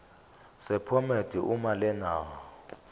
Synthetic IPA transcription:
sɛpʰɔmed̥ʱiʔumalɛnaːwɔ

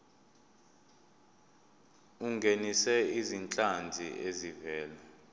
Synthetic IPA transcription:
uŋɡʱenisɛizint͡ɬʼand͡zʱḭʔezivɛːla

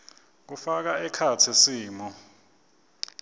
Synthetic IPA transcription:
k̬ufak̬aɛkʰatʰisiːmɔ

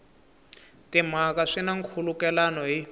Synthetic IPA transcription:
tim̤akaʂinaŋkʰulukɛlanɔɦi

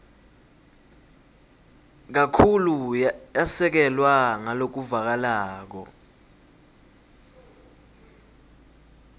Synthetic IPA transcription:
k̬akʰulujasɛk̬ɛlwaŋalok̬uvak̬alaːk̬ɔ̰

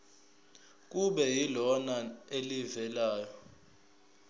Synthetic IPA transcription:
k̬ʼuɓɛjilɔnaelivɛlaːjɔ

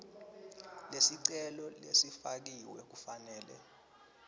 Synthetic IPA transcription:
lesiǀɛlɔlḛsifak̬iwɛk̬ufanɛːlɛ̰

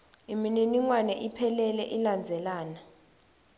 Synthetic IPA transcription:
imininiŋwanɛʔipʰɛlɛlɛ̰ʔiland͡zʱɛlaːna

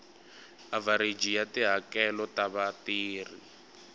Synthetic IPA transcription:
avaɾid͡ʒijatiɦakɛlɔtaβatiːri

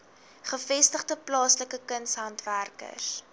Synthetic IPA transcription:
χəfɛstəχdəplɑːsləkəkənsɦɐntværkə̰s

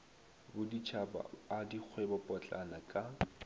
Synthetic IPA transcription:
bʊdit͡ʃʰaba̰adik͡xʰwɛbɔpʼɔt͡ɬʼanakʼa

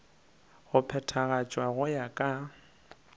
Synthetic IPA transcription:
ɣʊpʰɛtʰaɣat͡ʃʼwaɣʊjakʼa

